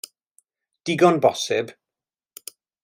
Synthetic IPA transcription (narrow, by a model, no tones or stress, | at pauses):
d̥ɪɡɔnbɔsɪb